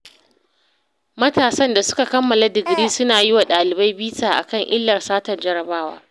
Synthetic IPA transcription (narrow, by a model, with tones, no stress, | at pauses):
mɐ˦taː˨sɐ˦nda˨sʊ̥˦ka˨kɐ˦mːɐ˨la˨dɪ˨ɡɽiː˦sʊ˦naː˨jɪ˦wa˨ɗaː˨lɪ˨ba˦jbiː˦taː˨ʔa̰˨kɐ˦˨ŋʔɪ˦lːɐ˨rsaː˦tɐ˨rd͡ʒɐ˦ɾɐ˨baː˦wa̰ː˦